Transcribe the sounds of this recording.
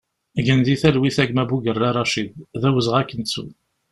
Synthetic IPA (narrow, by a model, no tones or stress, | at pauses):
ɡənðiθælwiθæɡmæbuɡərˤːɑɾˤːɑʃiððæwəzʁækːənt͡sːṵ